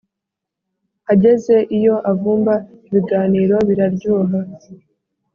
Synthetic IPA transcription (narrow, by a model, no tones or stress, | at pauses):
haɟe̞ze̞ʔijo̞ʔavuːmba | iβiɡaːniːɾo̞βiɾabɟuːɦa